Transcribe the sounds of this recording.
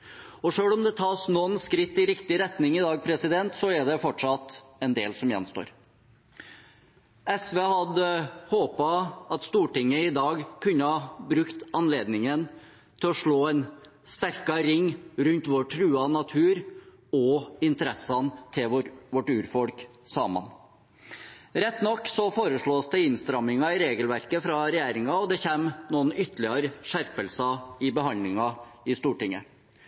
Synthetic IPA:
ɔʂøːlɔmd̪ɛt̪ʰɑːsnɔnskɾɪt̪ːɪɾɪkt̪ɪɾɛt̪nɪŋɪd̪ɑːɡ̚pʰɾɛsɪd̪ɛnt̪sɔɛɖɛfɔʈʂɑt̪ɛnd̪eːlsɔmjɛ̰nst̪o̰ːɾ | ɛsʋeːhɑd̪əhoːpɑɑt̪st̪uːʈɪŋːəɪd̪ɑːɡkʰʉnːəhɑbɾʉkt̪ɑnleːd̪nɪŋən | t̪ʰɪlɔʂɭoːɛn | st̪æɾkɑɾɪŋːɾʉnt̪ʋɔʈʰɾʉːɑnɑt̪ʰʉːɾ | ɔɪnt̪əɾɛsːɑnt̪ʰɪlʋɔʈʉːɾfɔlk | sɑːmə̰n | ɾɛt̪ːnɔkːsɔfoːɾəʂɭoːsd̪ɛɪnst̪ɾɑmːɪŋɑɪɾeːɡəlʋæɾkəfɾɑɾɛjæːɾɪŋɑɔd̪ɛçeːmnuːənʏt̪əlɪɑɾəʂæɾpəlsɑɪbəɦhɑnd̪lɪŋɑɪst̪uːʈɪŋːə̰

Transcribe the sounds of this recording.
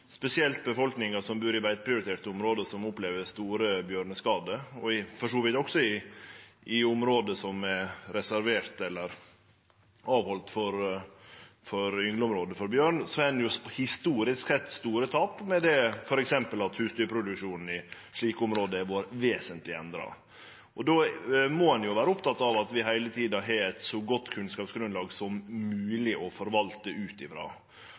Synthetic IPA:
spɛsɪɛlt̪̚bəfɔlknɪŋɑsɔmbʉːɾɪʋæɪt̪̚pʰɾɪʊɾɪt̪ʰeːʈ̪əʊmɾoːd̪əsɔmʊpleːʋəɾst̪uːɾəbjøːɾɳəskɑːd̪əɔɪfɔʂɔʋɪt̪ɔksɔɪ | ɪʊmɾoːd̪əsɔmɛɾɛsæɾʋeːɾt̪ɛlːəɾ | ɑːʋhɔlt̪fɔɾ | fɔɾʏŋləʊmɾoːd̪əfɔɾbjøːɳsɔɛnjʊhɪst̪uːɾɪsksɛt̪ːst̪uːɾət̪ʰɑːpmɛd̪ɛfɔɾɛksɛmpəlɑt̪hʉːst̪ʏːɾpʰɾʊd̪ʉkʂuːnn̩ɪ | ʂɭiːkəʊmɾoːd̪əɛʋoːɾʋeːsənt̪lɪɛnd̪ɾɑ̰ | ʔɔd̪omɔhɑnjʊʋæːɾəʊpt̪ʰɑt̪ːɑʋɑt̪ʋɪɦæɪlət̪ʰiːd̪ɑɦɛɛt̪sɔɡɔt̪ːkʰʉnskɑːpsɡɾʉnlɑːɡsɔmmʉːlɪʔɔfɔɾʋɑlt̪əʉːt̪ɪfɾɑ̰ː

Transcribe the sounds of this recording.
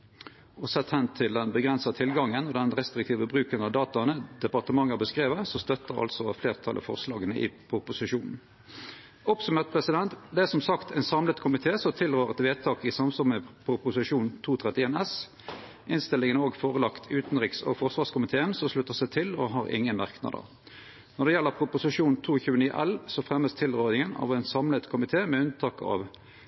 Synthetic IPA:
ɔsɛt̪hɛnt̪ʰɪld̪ɛnbəɡʁɛnsɑt̪ʰɪlɡɑŋːənɔd̪ɛnʁɛst̪ɾɪk̚t̪ʰiːʋəbʁʉːkənɑʋd̪ɑːt̪ɑnəd̪̥ɛpɑʁt̪əmɑŋːəbəskʁeːʋəsɔst̪œt̪ːəʁɑ̰lsɔfleːʁt̪ʰɑ̰lʔə̰fɔ̰ʁslɑ̰ːɡənəʔɪ̰pʰʁʊpʊsɪʃuːnn̩ | ɔpsʉmeːʁt̪̚pʰʁɛsɪd̪ɛnt̪d̪ɛæsɔmsɑkt̪ʰɛɪnsɑmlət̪kʰʊmɪt̪ʰeːsɔt̪ʰɪlʁøːʁɛt̪ʋeːt̪ʰɑːkɪsɑmsɔməpʰʁʊpʊsɪʂuːnt̪ʰuːt̪ʰʁɛt̪ɪeːnɛs | ʔɪnst̪ɪlɪŋənoːɡfoːʁəlɑkt̪ʰʉːt̪n̩ʁɪksɔ̰fɔʁsʋɑːʁskʊmɪt̪ʰeːənsɔslʉt̪ːəʁsæɪt̪ʰɪlɔɦɑːʁʔɪ̰ŋːənmɑʁknɑ̰d̪ə̰ʁ | nɔʁd̪ɛjɛlːəʁpʰʁʊpʊsɪʂuːnt̪ʰuːçʉːəniːʔɛ̰lsɔfʁɛmːəst̪ʰɪlʁøːʁɪŋənɑ̰ʋɛɪnsɑmlət̪kʰʊmɪt̪ʰeːmɛʉnt̪ʰɑːkɑ̰ːʋ

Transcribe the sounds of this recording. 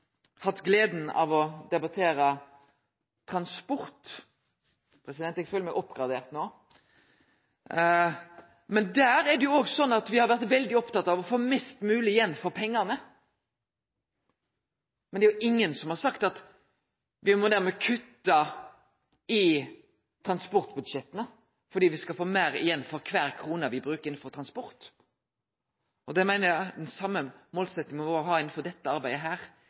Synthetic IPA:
hɑt̪ːɡleːd̪n̩ɑ̰ʋɔd̪ɛbɑt̪ʰeːɾə | t̪ʰɾɑnspɔɾt̪ | pʰɾɛsɪd̪ɛnt̪ɛɡføːləmæɡʔɔpːɡɾɑd̪eːʁt̪noː | mɛnd̪æːɾæɾd̪ɛjʊoːɡsɔnːɑt̪ʋɪhɑɾʋæɾt̪ʋɛld̪ɪɔpt̪ɑt̪ɑːʋɔfoːmɛst̪mʉːlɪɪjɛnːfɔɾpʰɛŋːɑnə | mɛnd̪ɛæjʊʔɪŋːənsɔmhɑɾsɑkt̪ɑt̪ | ʋɪmɔd̪æɾmɛkʰʉt̪ːɑ | ɪ | t̪ʰɾɑnspɔɾt̪bʉd̪ʃɛt̪ənə | fɔɾɖ̪iːʋɪskɑfoːmeːɾɪ̰jɛnːfɔɾkʰʋæːɾkʰɾuːnəʋɪbɾʉːkəɾɪn̩fɔɾt̪ʰɾɑnspɔɾt̪ | ʔɔd̪ɛmæɪnəɾæd̪ɛnsɑmːəmoːlsɛt̪nɪŋəmɛʋoːɾəɦɑːɪn̩fɔɾd̪ɛt̪ːəɑɾbæɪd̪əɦæːɾ

